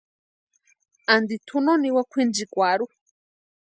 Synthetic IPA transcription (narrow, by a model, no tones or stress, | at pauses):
and̪it̪ʰunoniwakʷʰind͡ʒikʷaɾu